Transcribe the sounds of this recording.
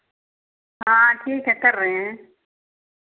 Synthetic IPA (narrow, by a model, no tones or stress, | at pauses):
ɦãːʈʰiːkɦɛkəɾːeɦẽː